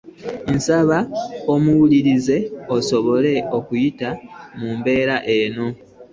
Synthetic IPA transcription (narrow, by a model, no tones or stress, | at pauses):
n̩saβaomuwuliɾize̞oso̞βo̞le̞o̞kujitamumbe̞ːɾaʔe̞no̞